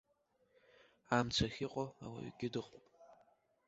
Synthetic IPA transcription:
aːmt͡sʷʰɐxʲiqʷʼoa̰wɐ̰ɥḭɡʲɪdɨqʼpʼ

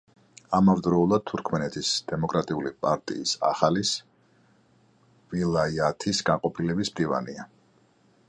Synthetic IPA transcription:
amavd̪ɾɔulˠad̪̥̚t̪ʰuɾkʰmɛnɛt̪ʰisd̪̥ɛmɔkʼɾat̪ʼiulipʼaɾt̪ʼḭːsa̰χalis | vilˠaiat̪ʰisɡanqʼɔpʰilɛbismd̪iva̰nia

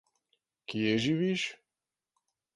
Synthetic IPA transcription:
kijɛʒiviʃ

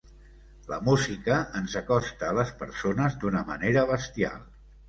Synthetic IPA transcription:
lə̰muzikəənzəkɔst̪əːləspəɾsonəzd̪unəmə̰neɾəβəst̪ia̰lˠ

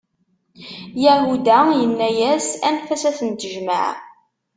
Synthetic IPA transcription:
jæʕwud̪æjənːæjæsænfæsæθənt̪əʒmə̰ʕ

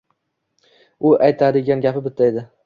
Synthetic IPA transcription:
ʊʔajt̪ʰad̪ɪɡʲanɡʲapɪbɪt̪ʰːajd̪ɪ

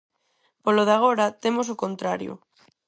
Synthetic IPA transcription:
poloðaɣ̞oɾat̪emos̬okont̪ɾaɾjo̰

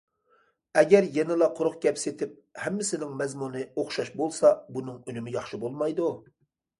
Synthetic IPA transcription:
ɛɡʲɛɾjɛnɪlˠɑqʰʊɾʊχɡʲɛpset̪ʰɪp̚hɛmːɪsɪnɪŋmɛzmunɨoχʃɑʃbolˠsɑbunɨŋynymɪjɑχʃɨbolˠmɑjd̪u

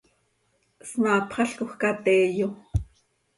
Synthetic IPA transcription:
smaːpχɑɬkoxkat̪eːjo

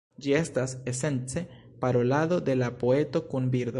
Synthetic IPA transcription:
d͡ʒie̞stasese̞nt͡se̞ | paɾo̞lado̞d̪e̞lapo̞e̞to̞kunbiɾd̪

